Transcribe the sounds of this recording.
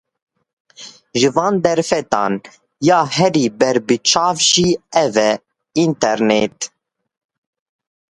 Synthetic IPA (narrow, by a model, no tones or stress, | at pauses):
ʒɨvɑːnd̪ɛɾfɛt̪ɑ̰ːn | jɑːɦɛɾiːbɛɾbɨt͡ʃʰɑːvʒiːɛvɛ | int̪ɛɾneːt̪